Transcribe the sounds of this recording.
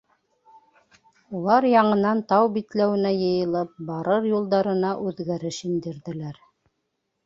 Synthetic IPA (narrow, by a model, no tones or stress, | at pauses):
ulˠɑɾjɑɴɤ̆nɑnt̪ɑwbit̪læwɘ̆næjɤ̆jɤ̆lˠɤp̚bɑɾɤɾjulˠd̪ɑɾɤ̆nɑʔʉðɡæɾɘʃind̪ɘ̆ɾðɘ̆læɾ